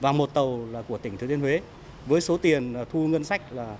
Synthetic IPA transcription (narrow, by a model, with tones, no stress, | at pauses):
vaː˨˩mo˨˩t̚t̪ə˨˩wlaː˨˩ku˧˩ət̪ï˧˩ŋ̟t̪ʰɨ˨˧˦t̪i˧əhwe˨˦ | vəː˨˦jso˨˦t̪i˨˩ənaː˨˩t̪ʰu˧ŋə˧nsa˦˥jk̟̚laː˨˩